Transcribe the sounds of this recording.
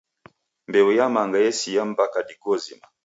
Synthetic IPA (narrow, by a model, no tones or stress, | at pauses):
mbɛwɛjamaŋɡajɛsijam̩bakadiɡɔzima